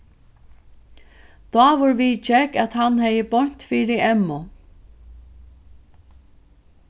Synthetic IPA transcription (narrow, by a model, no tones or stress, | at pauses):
d̪̥ɔːʋʊɾʋiːt͡ʃɛkæt̪hanhɛjəbɔɲ̥t̪fiːɾɪɛmːʊ